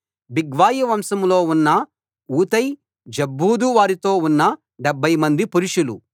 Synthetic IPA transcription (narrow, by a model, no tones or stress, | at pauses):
biɡʋaːjɐʋɐmsɐmlo̞ːunːɐ | uːt̪ɐj | d͡ʒɐbːuːd̪uʋaːɾit̪o̞ːunːɐ | ɖɛbʱːɐjmɐnd̪ipuɾuʂulu